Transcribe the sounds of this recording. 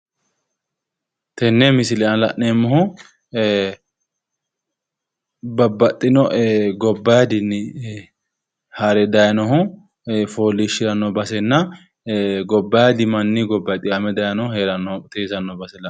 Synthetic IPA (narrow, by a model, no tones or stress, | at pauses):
t̪ɛnːɛmɪsɪlɛɐnlɐ̰ʔneːmːɔɦʊ | bɐbːɐt̪ʼːɪnɔʔɡɔbːɐjad̪ɪn | hɐɾɛd̪ɐjɐnɔɦʊ | foːlːiʃɪɾɐnːɔbɐsɛnːɐ | ɡɔbːɐjad̪ɪmɐnːiɡɔbːɐt̪ʼːɪɐmɛd̪ɐjɐnɔhʊheːɾɐnːɔt̪eːsɐnːɔbɐsɛlɐ